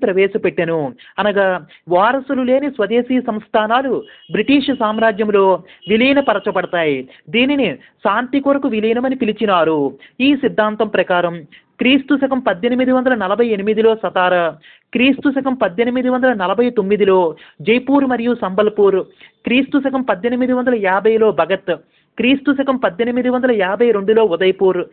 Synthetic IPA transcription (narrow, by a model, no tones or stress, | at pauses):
pɾɐʋɛːʃɐpeʈːɐnuɐnɐɡaː | ʋaːɾɐsulule̞ːnisʋɐd̪e̞ːsiːɐsɐmst̪ʰaːnaːlubɾiʈiːʂsaːmɾaːd͡ʒjɐmlo̞ːʋilijnɐpɐɾɐt͡ʃɐpɐɽɐt̪aːji | d̪iːnini | ʃaːnt̪ikoːɾɐkuʋilijɐnɐmɐnipilit͡ʃinaːɾuiːsid̪ʱːaːnt̪ɐmpɾɐkaːɾɐm | kɾiːst̪usɐkɐmpɐd̪ːenimid̪iʋɐnd̪ɐlɐnɐlɐbʱɐje̞nimid̪ilo̞ːsɐd̪aːɾɐ | kɾiːst̪usɐkɐmpɐd̪ːenimid̪iʋɐnd̪ɐlɐnɐlɐbʱɐjt̪omːid̪ilo̞ːd͡ʒɐjpuːɾmɐɾijusɐmbɐlpuːɾ | kɾiːst̪usɐkɐmpɐd̪ːenimid̪iʋɐnd̪ɐlɐjaːbʱɐjlo̞ːbʱɐɡɐt̪ | kɾiːst̪usɐkɐmpɐd̪ːenimid̪iʋɐnd̪ɐlɐjaːbʱɐjɾe̞ɳɖulo̞ːud̪ɐjpuːɾ